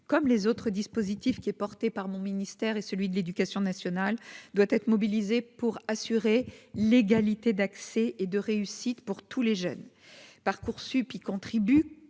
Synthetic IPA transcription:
kɔmlezot̪χəd̪ispozit̪ifkʲiɛpɔʁt̪epaʁmɔ̃minist̪ɛʁesəlɥid̪əled̪ykasjɔ̃nasjɔnald̪wat̪ɛt̪χəmɔbilizepuʁasyʁeleɡalit̪ed̪aksɛʔed̪əʁeysit̪puʁt̪ʰuleʒœ̰n | paʁkuʁsypikɔ̃t̪χiby

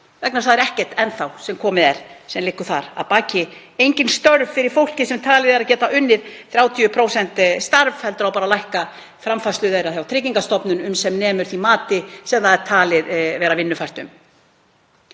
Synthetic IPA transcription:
vɛknasθaðɛɾɛhcɛr̥t̪ɛnθawsɛmkʰɔːmɪðɛɾ̥sɛmlɪhkːʏ̥θa̰ɾa̰ðpaːcɪejɲcɪnst̪œɾvfɪɾɪɾ̥fowl̥cɪsɛmt̪ʰaːlɪðɛɾaðcɛːt̪aʔʏnːɪɾ̥θɾjaːwt̪ʰiʏpʰɾoːwsɛnt̪st̪aɾvhɛlt̪ɾawpaːɾalajhka | fɾamfast̪lʏðejɾaθjawt̪ʰɾɪciŋkast̪ɔpnʏnʏmsɛmnɛːmʏɾ̥θimaːt̪ɪsɛmθaðɛɾt̪ʰaːlɪɾvɛːɾavɪnːʏfajr̥t̪ʏm

